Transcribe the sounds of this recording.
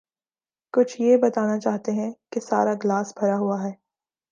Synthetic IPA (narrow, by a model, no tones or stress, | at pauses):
kʊt͡ʃʰjebɐt̪aːnat͡ʃaːɦt̪eɦɛ̃kesa̰ːɾaɡlaːsbʱɐɾaɦuaɦɛː